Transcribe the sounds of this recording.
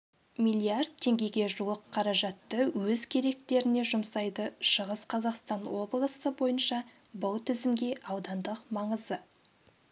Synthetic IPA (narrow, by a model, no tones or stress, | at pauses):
mijlʲˠiard̪̚tʰːe̞ŋɡʲe̞jɡʲe̞ʒuwˠəqʰːɑɾɑʒɑt̪ːəwɵzkʲʰe̞ɾe̞k̚t̪e̞ɾɪne̞ʒʊmsɑjd̪əʃəʁəsqʰɑzɑqst̪ɑnwo̞blˠəsəbo̞jənʃɑ | bʊlˠt̪ʰɪzɪmɡʲe̞ʔɑwd̪ɑnd̪əqmɑɴəzə